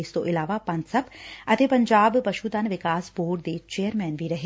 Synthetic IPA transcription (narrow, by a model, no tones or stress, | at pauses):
ɪst̪oʔɪlaːʋapɐ̃nt̪sɐpɐt̪eːpɐ̃ɲd͡ʒaːbpɐʃuːt̪ɐnʋɪkaːsboːɽd̪et͡ʃeːjəɾmɛːnbʱiɾɐɦe